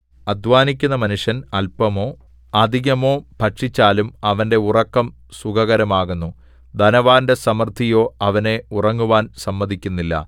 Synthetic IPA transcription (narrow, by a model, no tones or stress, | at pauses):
ɐd̪ʋaːnik̬ʲːunːɐmɐnuʂjɐnɐlpɐmo̞ː | ɐd̪ʱiɣɐmo̞ːpɐʈʂit͡ɕːaːlumɐʋɐnde̞urɐkːɐm | suɡɐɣɐɾɐmaːɣunːu | d̪ʱɐnɐʋaːnde̞sɐmɐrt̪ʰːijo̞ːɐʋɐne̞urɐŋːuʋaːnsɐmːɐd̪ʱikʲːunːilːɐ̰